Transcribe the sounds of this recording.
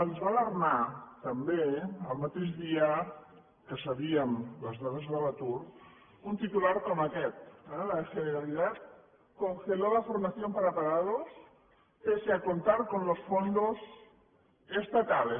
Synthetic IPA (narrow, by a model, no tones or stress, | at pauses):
anzβalaɾnat̪ambeəlˠmat̪eʒðiə | kəsaβiəmləzðaðəzðaβat̪uɾ | unt̪it̪ulaɾkɔmakɛt̪̚ɛlaʃeneɾalit̪at̪̚ | koŋxelolafoɾmaθjompaɾapaɣaðos | peseakont̪aɾkonlosfond̪oz | est̪at̪ale